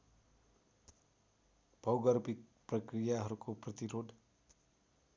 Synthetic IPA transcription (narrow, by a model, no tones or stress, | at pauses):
b̥ʱʌwɡʌrbit̪̚prʌkrijaɦʌɾukoprʌt̪iɾod̪